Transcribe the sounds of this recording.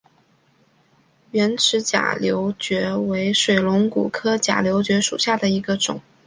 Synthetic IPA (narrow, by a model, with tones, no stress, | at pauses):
ɥɛ˧˥nʈ͡ʂʰɻ̩˧˥t͡ɕja̰˨˩ljo˧˥ʊt͡ɕɥɛ˧˥we˧˥ɪʂwe˨˩ɪlʊ˧˥ŋkṵ˨˩kʰɤ˥t͡ɕja̰˨˩ljo˧˥ʊt͡ɕɥɛ˧˥ʂṵ˨˩ɕja˥˩d̪ə˩i˧˥ɡə˧ʈ͡ʂʊ̰˨˩˦ŋ